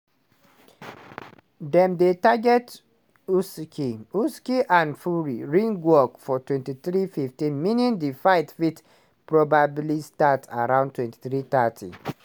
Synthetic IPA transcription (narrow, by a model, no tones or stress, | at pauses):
dɛ̃mdetaɡɛt | uskʰiuskiʔãnfuɹiɹĩŋɡwɔkfɔtwɛ̃ntiθɹififtĩnminjɔ̃ndifaɪtfit | pɹɔbablistatʰa̰ɹãʊ̃ndtwɛ̃nti̥θɹit̪atʰḭ̃